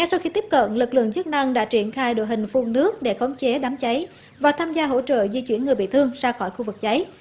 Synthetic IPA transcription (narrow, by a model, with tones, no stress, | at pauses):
ŋɛ˧sa˧wxi˧t̪i˦˥p̚kə̰˧˨nlɨ˨˩k̚lɨ̰˧˨əŋzɨ˦˥t̚na˧ŋɗa̰ː˧˥t͡ɕi˧˩ənxaː˧jɗo̰˧˨jɦï˨˩ŋ̟fu˨˧˩ŋnɨ˦˥ək̚ɗe˧˩xə˨˦wŋ͡mt͡ɕe˨˦ɗaː˨˦mt͡ɕa˨˦j | vaː˨˩t̪ʰaː˧mzaː˧ɦo̰˧˥t͡ɕə̰ː˧˨zi˧t͡ɕwi˧˩ənːŋɨ˨˩əjɓḭ˧˨t̪ʰɨ˧əŋzaː˧xɔː˧˩jxu˧vɨ˨˩k̚t͡ɕa˨˦j